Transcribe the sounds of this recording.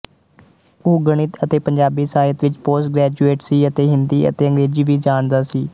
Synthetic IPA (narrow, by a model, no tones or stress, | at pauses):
oːɡəɳ̃ɪt̪ət̪eːpəɲd͡ʒaːbiːsaːət̪ʋɪt͡ʃpoːsʈɡɾɛːd͡ʒueːʈsiːət̪eːɦɪnd̪iːə̰t̪eːə̃ŋɡɾeːd͡ʒiːʋiːd͡ʒaːɳd̪aːsiː